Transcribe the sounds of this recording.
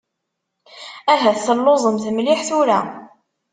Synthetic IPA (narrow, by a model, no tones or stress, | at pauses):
æɦæθθəlːozˤəmθmlɪħθuɾæ